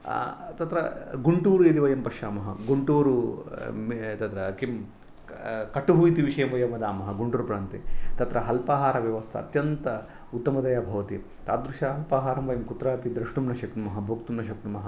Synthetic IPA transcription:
t̪ɐt̪ɾɐɡuɳʈuːɾujɐd̪iʋɐjɐmpɐkʃaːmɐɦɐɡuɳʈuːɾu | t̪ɐt̪ɾɐkim | kɐʈuɦuːjt̪iʋiʃɐjɐmʋɐjɐmɐd̪aːmɐɦɐɡuɳʈuːɾpɾaːnt̪it̪ɐt̪ɾɐɦɐlpaːɦaːɾɐʋjɐʋɐst̪ʰɐ̰ːt̪jɐnt̪ɐ | ut̪ːɐmɐd̪ɐjaːbʱɐʋɐt̪i | t̪a̰ːt̪d̪ɾuʃaːɦɐlpaːɦaːɾɐmʋɐjɐmkut̪ɾaːpid̪ɾɐʂʈumnɐʃɐknumɐɦɐbʱoːkt̪umnɐʃɐknumɐɦɐ

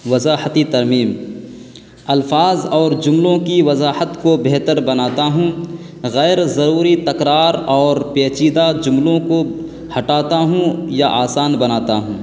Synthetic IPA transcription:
ʋɐzaːhət̪it̪ɐɾmiːm | ɐlfaːzɔːɾd͡ʒʊmlõkiʋɐzaːhət̪kobeɦt̪əɾbɐnaːt̪aɦũː | ɣɛːɾzɐɾuːɾit̪ɐkɾaːɾɔːɾpeːt͡ʃiːd̪ad͡ʒʊmlõko | hɐʈaːt̪aɦũjaʔaːsaːnbɐnaːt̪aɦũː

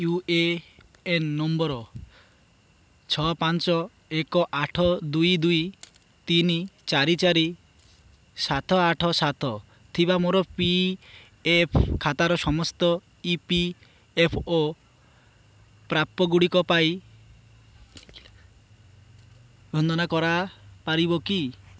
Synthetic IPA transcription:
jue | enːɔmbɔɾɔ | t͡ʃʰɔpant͡ʃɔ | ekɔʔaʈʰɔd̪ujd̪uj | t̪init͡ʃaɾit͡ʃaɾi | sat̪ʰɔaʈʰɔsat̪ʰɔ | t̪ʰiβamoɾɔpi | epʰkʰat̪aɾɔsɔmɔst̪ɔ | ipi | epʰo | pɾap̚t̪ɔɡuɽikɔpaj | bʱɔnd̪ɔnakɔɾapaɾiβɔki

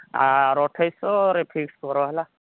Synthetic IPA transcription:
a̰ɾɔʈʰajsɔɾepʰikskɔɾɔɦɛla

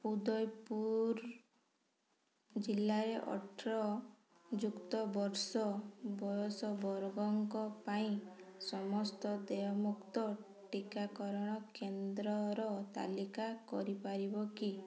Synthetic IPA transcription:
pud̪ɔjpuɾ | d͡ʒilːaɾeʔɔ̰ʈʰɾɔ | d͡ʒukt̪ɔbɔɾsɔbɔjɔsɔbɔɾɔɡɔŋkɔpaĩsɔmɔst̪ɔd̪ejɔmukt̪ɔ | ʈikakɔɾɔɽ̃ɔkend̪ɾɔɾɔt̪a̰likakɔɾipaɾibɔki

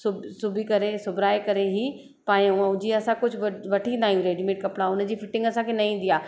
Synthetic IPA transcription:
sʊbsʊbʱikɐɾesʊbʱɾaːekɐɾeɦi | pãːʊ̃ãʊd͡ʑiɐsãkʊd͡ʑʱʊʋɐʋɐʈʰĩnd̪aːɦijũɾeːɖimeːʈ̚kɐpɽaʊnd͡ʑiːfɪʈɪ̃ŋɡɐsãkʰenɐĩːn̆d̪iaː

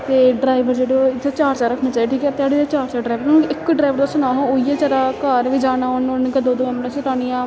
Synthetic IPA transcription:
t̪eːɖɾaːɪʋəɾd͡ʒeːɽoːɪd̪at͡ʃaːɾt͡ʃaːɾəkʰnãːt͡ʃaːiʈʰiːkɛt̪ɪaːɽed̪et͡ʃaːɾt͡ʃaːɖɾaːɪʋəɾnɪkːɖɾaːɪʋəɾd̪aːsʊnaːɦõːoːiːeːt͡ʃəɾaːkaːɾʋiːd͡ʒaːnaːʊnʊnkəd̪oːd̪oːɛmnẽsɪt̪aːñijãː

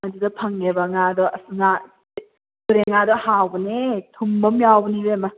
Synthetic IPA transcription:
madidɔpʰɐŋːebaŋadɔɐsŋa | uɾeŋadɔhawbɐnetʰumbɐmjawbɐnibema

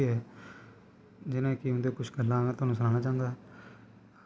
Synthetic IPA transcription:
iɦɛː | d͡ʒɪnẽːkɪʊ̃nd̪eːkʊt͡ʃʰɡəlːãːt̪ʊaːnũːsəlãːnaːt͡ʃaːəŋɡ̪aːɛ

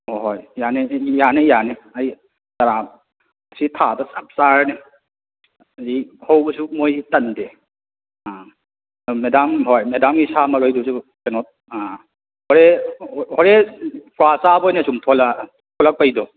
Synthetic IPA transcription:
ɦojjanejanejaneaj | taɾa | sitʰadɔsap̚saɾane | ihawbɔsumojtɐnde | a | medamɦɔjmedamɡisamaɾɔjdusutenɔt̚ | a | hɔɾehɔɾepɾwasabɔjnesumpʰɔla | pʰɔlak̚pajdɔ

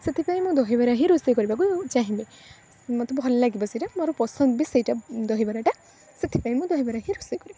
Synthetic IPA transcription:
set̪ʰipaĩmũd̪ɔɦibaɾaɦĩɾusejkɔɾibakud͡ʒaɦĩbe | mɔt̪ɔbʱɔllaɡibɔsiʈamɔɾɔpɔsɔnd̪bisejʈad̪ɔɦibaɾaʈa | set̪ʰi̥paimũd̪ɔɦibaɾaɦĩɾusejkɔɾiba

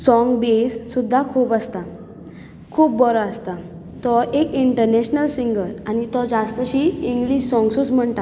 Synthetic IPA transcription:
sɔŋɡbesːud̪ʱːakʰuːpəst̪a | kʰuːp̚bɔɾɔəst̪a | t̪ɔʔekiɳʈəɾneɕnəlsiŋɡəɾañit̪ɔd͡zast̪əɕiːiŋɡliɕsɔŋɡsut͡sm̤əɳʈ̪a

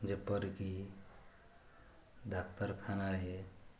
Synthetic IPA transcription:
d͡ʒepəɾki | d̪akt̪əɾkʰanaɾəɦe

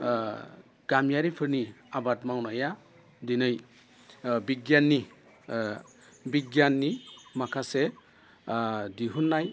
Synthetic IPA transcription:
ɡ̥amjaɾipʰɯɾniabatmawnaja | dinɯj | biɡjanːi | biɡjanːimakʰase | diɦunːaj

